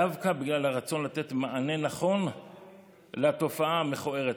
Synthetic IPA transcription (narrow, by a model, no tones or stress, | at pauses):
avkabiɡlalhaʁat͡so̞nlat̪e̞t̪maʔane̞naχo̞n | leat̪o̞faaːmeχue̞ʁet